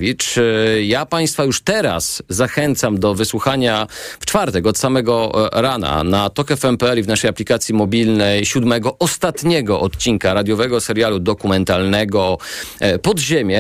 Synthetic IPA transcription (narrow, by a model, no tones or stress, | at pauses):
vʲit͡ʂjapaj̃st̪fajuʂt̪ɛɾa̰sːaxɛnt̪samd̪ɔvɘswuxaɲaft͡ʂfaɾt̪ɛkɔt̪samɛɡɔɾana̰nat̪ɔkɛfɛmpɛɛlivnaʂɛjaplʲikat̪sʲjimɔbʲilnɛjɕud̪mɛɡɔʔɔst̪at̪ɲɛɡɔʔɔt̪t͡ɕinkaɾad̪ʲjɔvɛɡɔsɛɾjalud̪ɔkumɛnt̪alnɛɡɔ | pɔd̪ʑemʲjɛ